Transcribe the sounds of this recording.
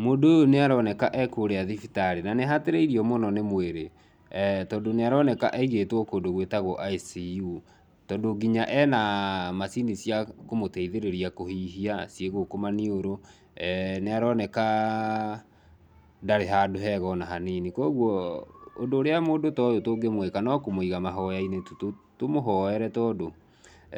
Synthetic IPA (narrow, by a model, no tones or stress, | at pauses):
moːndoojoneaɾɔnɛkaʔɛkoːɾeaðifitaɾenaneɦateɾeiɾiɔmɔnɔnemweɾe | tɔdoneaɾɔnɛkaʔɛiɣetwɔkoːndoɣwetaɣɔʔaisiu | tɔndoɡiɲaʔɛnamasinisjakomotɛiðeɾeɾiakohiːɦiasieɣokomanioɾo | neaɾɔnɛka | daɾeɦadoɦɛɣɔnaɦaninikoɣwɔondoːɾeamoːndotɔjotoːɡemwekanɔkomoiɣamaɦɔjainetutotomoɦɔɛɾɛtɔdo